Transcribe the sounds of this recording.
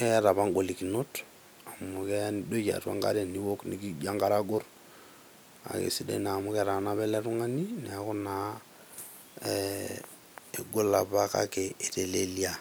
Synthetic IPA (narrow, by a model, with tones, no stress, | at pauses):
e˦a˦ɾa˨βa˦ŋɡo˨li˨ki˨no˦t | a˨mu˨ke˦a˦ndo˦ja̰˨twa̰˦ŋɡa̰˦ɾe˨ni˦wo˦knḭɡi˦d͡ʒa˦ŋɡa˦ɾa˦ɡo˦r | a̰˨kḛ˨si˦dḛ˦na˨mu˦kɛ˦ɾa˨na˦βɛ˦lɛ˦tu˦ŋa˦ni˦nɛ˨a˨ku˦na˨ | e˨ɡo˦la˨pa˦ka̰˦keː˨te˨le˦lia˦